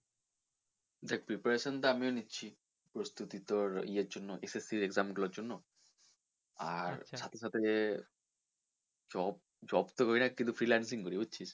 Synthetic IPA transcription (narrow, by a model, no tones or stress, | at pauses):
d̪ɛkʰpɾipaɾeʃont̪aamionitːɕʰi | pɾost̪ut̪it̪oɾieɾd͡ʑonːoʔesesiɾeɡzamɡulaɾd͡ʑonːo | a̰ɾʃat̪ʰeʃat̪ʰe | d͡ʑɔb | d͡ʑɔbt̪okɔjnakint̪ufɾilans̬iŋkoɾibutːɕʰiʃ